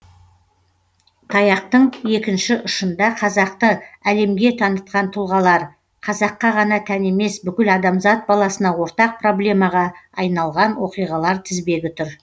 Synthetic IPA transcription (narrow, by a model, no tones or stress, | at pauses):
t̪ʰɑjɑq̚t̪əɴje̞kʲɪnʃɪʔʊʃənd̪ɑqʰɑzɑq̚t̪əæle̞mɡʲe̞t̪ʰɑnət̪̚qɑnt̪ʰʊlˠʁɑlˠɑɾ | qʰɑzɑqːɑʁɑnɑt̪ʰæne̞me̞sbʏkʲɪlɑd̪ɑmzɑt̪̚bɑlˠɑsənɑwo̞ɾt̪ɑq̚pro̞blʲe̞mɑʁɑːjnɑlˠʁɑnwo̞qijʁɑlˠɑɾt̪ʰɪzbe̞ɡʲɪt̪ʰʊɾ